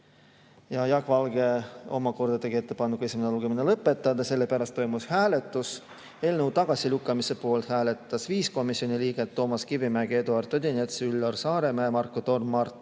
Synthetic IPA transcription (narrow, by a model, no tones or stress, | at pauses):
jɑjɑɡvɑlɡe̞o̞̰mɑko̞rd̪̥ɑt̪eɡie̞t̪ːe̞pɑnːukue̞sʲimeneluɡ̥e̞minelɤpːˑe̞t̪ˑːɑd̪ɑse̞lːe̞pæɾɑst̪ːo̞jmushæːle̞t̪ːˑus | e̞ːlnewt̪ɑɡ̥ɑsʲilukːˑɑmise̞po̞ːlt̪hæːle̞t̪ːˑɑsviːsko̞misio̞niliːɡ̥et̪ːo̞ːmɑskivimæɡ̥eed̪uɑrt̪ːˑod̪ʲinʲet̪sylːorsɑːɾe̞mæeːmɑrkːot̪o̞rmːɑrt̪